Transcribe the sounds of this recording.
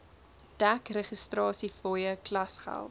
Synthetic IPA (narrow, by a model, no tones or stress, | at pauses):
d̥ækreχəstrɑːsifɔjəklɐsχæ̰lˠt